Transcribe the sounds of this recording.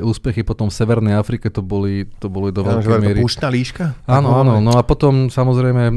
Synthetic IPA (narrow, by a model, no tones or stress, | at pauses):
uːspɛxipɔt̪ɔmfsɛʋɛɾnɛjafɾikɛt̪ɔbɔlit̪ɔbɔlid̪ɔʋɛlɛmɪɛɾiuːʃt̪naːliːʃkaaːnɔanɔnɔapɔt̪ɔmsamɔzɾɛjmɛ